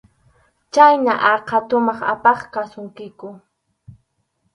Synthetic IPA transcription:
t͡ʃajnaʔɑqʰat̪ʊmɑχa̰pɑχkasʊŋkɪkʊ

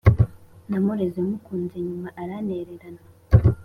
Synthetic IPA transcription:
namuɾezemukuːnzeɲumaʔaɾaneɾeɾana

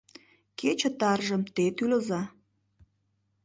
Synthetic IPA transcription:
ket͡ɕə̆t̪ɑrʒəmt̪et̪ylə̆zɑ

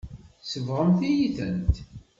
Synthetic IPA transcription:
səvʁəmθijiθə̰nt̪

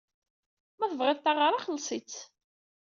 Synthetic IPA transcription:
mæθəvʁɪðt̪aʁəɾˤaχəlːsˤit͡s

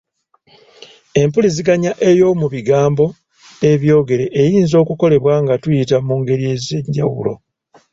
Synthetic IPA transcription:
e̞mpuliziɡaɲaʔe̞jo̞muβiɡaːmbo̞ | e̞βjo̞ːɡe̞ɾe̞ʔːjiːnzo̞ːkuko̞le̞βwaŋɡatujitamuːŋɡe̞ɾie̞zeɲɟawṵlo̞̰

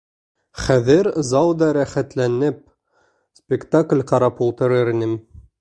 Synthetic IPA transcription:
χæðɘɾzɑwd̪ɑɾæχæt̪lænɘp̚ | spʲɪkt̪aklʲqɑɾɑpulˠt̪ɤ̆ɾɤɾinɘm

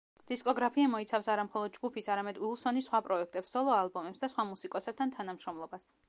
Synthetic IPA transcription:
d̪̥iskʼɔɡɾapʰiamɔit̪sʰafsaɾamχɔlˠɔd̪̚d͡ʒɡupʰisaɾamɛd̪ulˠsɔnisχwapʼɾɔɛk̚ʰt̪ʼɛpsɔlˠɔalˠbɔmɛpsd̪asχwamusikʼɔsɛb̚t̪ʰant̪ʰanamʃɾɔmlˠɔbas

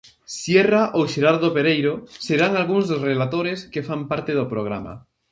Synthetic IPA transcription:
sjeraʔoʃeɾaɾðopeɾejɾoseɾaŋalɣuŋzðosrelat̪oɾeskefampaɾt̪eðopɾoɣ̞ɾa̰ma̰

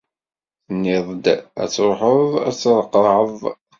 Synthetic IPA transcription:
θnːɪðˤd̪æ̰t͡sːɾoħəðˤæt͡sːɾˤqːəʕəðˤ

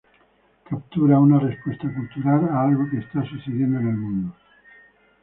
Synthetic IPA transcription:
kap̚t̪uɾaunarespest̪akult̪uɾalaalɣokeːst̪asuθeðjend̪onalmũnd̪o

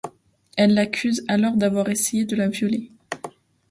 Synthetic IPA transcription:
ɛlːakʲʰyzalɔʁd̪avwaʁesejed̪əlavjɔle

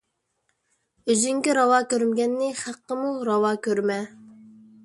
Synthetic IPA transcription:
yzyŋkʲiɾɑwɑːkʲøɾmɪɡʲɛnːɪχæqːəmuɾɑwɑːkʲøɾmɛ

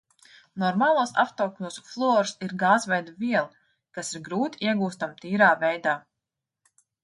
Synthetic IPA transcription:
nɔɾmaːlˠuːsa̰ft̪ɔklʲuːsuflˠɔːɾsiɾɡaːzvɛjd̪aviɛlˠ | kasiɾɡɾuːt̪i̥iɛɡuːst̪amt̪iːɾaːvɛjd̪aː

